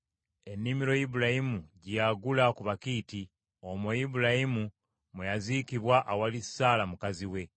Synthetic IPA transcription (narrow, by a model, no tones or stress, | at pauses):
e̞nːimiɾo̞jibulahimuɟjaɡulakuβakiːti | omwejibulahimu | mwejazikiβwaʔawalisaːlamukaziwe̞